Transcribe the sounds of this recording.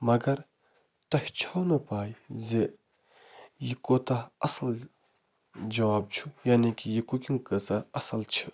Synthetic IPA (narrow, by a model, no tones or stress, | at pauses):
mɐɡɐɾ | t̪ɐht͡ʃʰɐwnəpaːjze | jikːot̪aɐsɐl | d͡ʒɐwaːb̚t͡ʃʰujanekijikokiŋkəsaʔɐsɐlt͡ʃʰi